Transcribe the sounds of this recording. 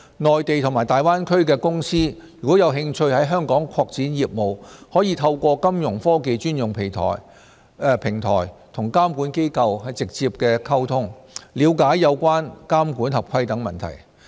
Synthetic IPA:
ŋɔː˨jt̪e˨jt̪ʰʊ˨˩ŋmaː˨˩jt̪aː˨jwaː˥nkʰɵ˥ɥkɛː˧kʊ˥ŋsiː˥jyː˨˩kʷwɔː˨˥jɐ˨˧wɦɪ˧ŋt͡ʃʰɵ˧ɥhɐ˨˥jɦœː˥ŋkɔː˨˥ŋkʰɔː˧k̚t͡siː˨˥njiː˨p̚mo˨whɔː˨˥jiː˧t̪ʰɐ˧wkʷɔː˧kɐ˥mjʊ˨˩ŋfɔː˥ke˨˧jt͡ʃyː˥njʊ˨ŋpʰe˨˩jt̪ʰɔ̰ː˨˩j | pʰɪ˨˩ŋt̪ʰɔ̰ː˨˩jt̪ʰʊ˨˩ŋkaː˥mkuː˨˥nke˥jkɐ˧whɐ˨jt͡sɪ˨k̚t͡siː˧p̚kɛː˧kʰɐ˥wt̪ʰʊ˥ŋliː˨˧wkaː˨˥jːɐ˨˧wkʷaː˥nkaː˥mkuː˨˥nhɐ˨p̚kʰɐ˧jt̪ɐ˨˥ŋmɐ̰˨nt̪ʰɐ̰˨˩j

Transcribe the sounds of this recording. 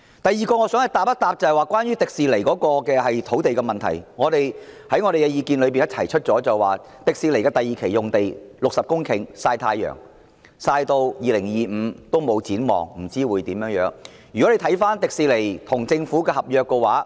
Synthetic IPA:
t̪ɐ˨jiː˨kɔː˧ŋɔː˨˧sœː˥ŋhɐ˨˩jt̪aː˨p̚ːɐ˥t̪̚aː˨p̚t͡sɐ˨˩hɐ˨waː˨˧kwaː˥njyː˥t̪ɪ˨k̚siː˨˧le˨˩jkɔː˨˥kɔː˧kɛː˧hɐ˨jt̪ʰo˨˥wt̪e˨jkɛ˧mɐ˨nt̪ʰɐ̰˨˩jŋɔː˨˧t̪e˨jhɐ˨˥jŋɔː˨˧ɾe˨jkɛː˧jiː˧kiː˧nlɵ˨˧ɥp̬iː˨njɐ˥t̚t͡sʰɐ˨˩jt͡ʃʰɵ˥t̚t͡sɔː˨˥t͡sɐ˨˩waː˨˩ | t̪ɪ˨k̚siː˨le˨˩kɛː˧t̪ɐ˨jiː˨kʰe˨˩jjʊ˨ŋt̪e˨jlʊ˨k̚sɐ˨p̚kʊ˥ŋkʰɪ˨˩ŋsaː˧jt̪ʰaː˧jːœ̰ː˨˩ŋ | saː˧jt̪o˧wjiː˨˧lɪ˨˩ŋjiː˨m̩ː˨˧t̪o˥wmo˨˧wt͡siː˨˥nmɔ̰ː˨˩ŋm̩˨˩t͡siː˥wuː˨˧jt̪iː˨˥mjœː˨˥ŋjœː˨˥ŋ | jy˨kɔ˨˥le˨˧jt̪ʰɐ˨˥jfaː˥nt̪ɪ˨k̚siː˨˧le˨˩jt̪ʰʊ˨˩ŋt͡sɪ˧ŋfuː˨˥kɛː˧hɐ˨p̚jœː˨kːɛ˧waː˨˥

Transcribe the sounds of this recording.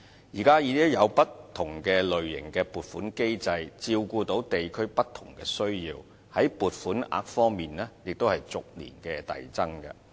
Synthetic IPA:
jiː˨˩kaː˥ji˨˧˥t̪i˥jɐ˨˧wpɐ˥t̪ʰːʊ˨˩ŋkɛː˧lɵ˨ɥjɪ̰˨˩ŋkɛː˧puː˨t̚fuː˨˥nke˥jt͡sɐ˧jt͡siː˧wkuː˧t̪o˨˥wt̪e˨jkʰɵ˥ɥpɐ˥t̪ʰʊ˨˩ŋkɛː˧sɵ˥ɥjiː˧w | hɐ˨˥jpuː˨t̚fuː˨˥na̰ː˧k̚fɔː˥ŋmiː˨nlɛː˥jɪ˨k̚t̪o˥whɐ˨jt͡sʊ˨k̚lḭː˨˩nkɛː˧t̪ɐ̰˨jt͡sɐ˥ŋkɐ̰˧

